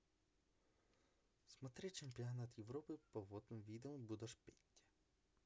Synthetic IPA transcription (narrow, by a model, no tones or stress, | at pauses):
smɐt̪ɾɪt͡ʃempʲiɔnat̪jewɾɔpɪpɔʋɔt̪nɔmʋʲid̪eumbud̪ɐʃpʲetʲːɐ̥